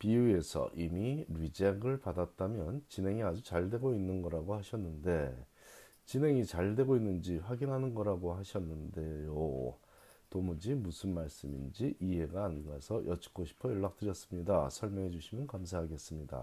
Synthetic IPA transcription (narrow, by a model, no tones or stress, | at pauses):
piue̞sʰʌ̰ʔimiɾɥid͡ʑeɡɯɭpadat͈̚amjʌnt͡ɕine̞ŋiad͡ʑut͡ɕaɭdwe̞ɡoinːɯnɡʌɾaɡohaɕʰʌnːɯnde̞ | t͡ɕine̞ŋit͡ɕaɭdwe̞ɡoinːɯnd͡ʑiɸwaɡinɦanɯnɡʌɾaɡohaɕʰʌnːɯnde̞jo | tomud͡ʑimusʰɯnmaɭs͈ɯmḭnd͡ʑiʔiɦe̞ɡaːnɡasʰʌjʔʌt͡ɕʰi̥k͈oɕʰi̥pʰʌjʌɭːak̚t͈ɯɾjʌs͈ɯmɲidasʰʌɭmjʌŋɦe̞d͡ʑuɕʰimjʌnkamsʰaɦaɡe̞s͈ɯmɲida̰